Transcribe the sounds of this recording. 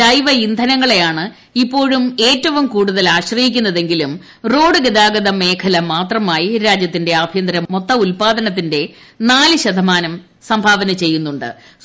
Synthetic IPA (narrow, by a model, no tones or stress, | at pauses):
ɐjʋɐind̪ʱɐnɐŋːɐɭe̞jaːɳɨ | ipːo̞ːɻume̞ːtːɐʋumkuːɽuðɐlaːɕrɐjikʲːunːɐðe̞ŋɡilum | ro̞ːɖɨɡɐd̪aːɡɐðɐme̞ːkʰɐlɐmaːt̪rɐmaːjiɾaːd͡ʑjɐt̪̬ːinde̞ɐbʱjɐnd̪ɾɐmo̞t̪ːɐulpaːd̪ɐnɐt̪ːinde̞ | naːlɨɕɐd̪ʱɐmaːnɐm | sɐmbʱaːʋɐnɐt͡ɕe̞jːunːuɳɖɨ̰